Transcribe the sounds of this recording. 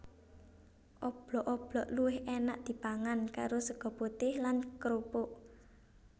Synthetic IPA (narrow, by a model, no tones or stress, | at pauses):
ʔɔb̥lɔʔɔb̥lɔʔluwɪhenaʔd̪̥i̤paŋankaɾosəɡ̥ɔ̤put̪ɪhlankɾopoʔ